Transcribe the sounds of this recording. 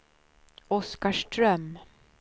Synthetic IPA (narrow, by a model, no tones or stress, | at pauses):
ɔskaʂʈɾœm